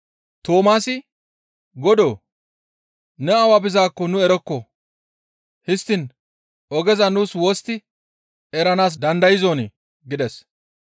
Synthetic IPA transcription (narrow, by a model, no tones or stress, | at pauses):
t̪oːmaːsɪ | ɡɔd̪oː | nɛɐwabɪzaːkːɔnʊɛɾɔkːɔ | hɪst̪ːɪn | ʔɔɡɛzɐnuːswoːst̪ɪ | ɛɾɐnaːs̬d̪ɐnd̪ɐjɪzoːnɪ | ɡɪd̪ɛs